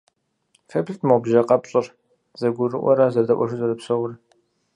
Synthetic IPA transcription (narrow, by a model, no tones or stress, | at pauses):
fepʰɬtʰmɐwbʒɐqʼɐpɕʼɪr | zɐɡʷʊrɨ̰ʔʷɔ̰ɾazɐdɐʔʷɔ̰ʃɨzɐrɨpsɐwʊr